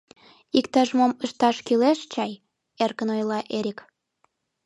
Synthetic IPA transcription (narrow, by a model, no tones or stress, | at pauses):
ikt̪ɑʒmoməʃt̪ɑʃkyleʃt͡ɕɑj | erkənojlɑʔeɾʲik